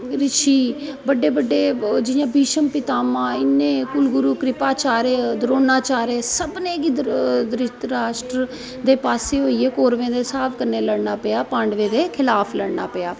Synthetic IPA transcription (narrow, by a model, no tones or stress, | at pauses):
ɾɪʃʰiːbəɖeːbəɖːeːd͡ʒɪjãːbiːʃəmpɪt̪aːmãːɪnːẽːkʊlɡʊɾuːkɾɪpaːt͡ʃaːɾeːd̪ɾoːnaːt͡ʃaːɾeːsəbnẽːɡid̪d̪ɾɪt̪ɾaːʃʈɾ | d̪eːpaːseːɦoːiːeːkoːɾʋẽːd̪eːsaːpʰkəɾneːləɽnaːpɪjaːpãːɳɖʋẽːd̪eːkʰɪlaːpʰləɽnaːpəjaː